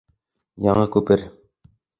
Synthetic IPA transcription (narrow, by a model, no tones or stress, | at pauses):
jɑɴɤkʉpɘɾ